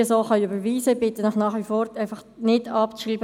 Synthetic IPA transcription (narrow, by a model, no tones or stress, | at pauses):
əsoːχɑniybəɾʋiːsəbɪt̪ənəχnɑːχʋifɔːɾɛɪfɑχ | nɪdɑpt͡sʃiːbə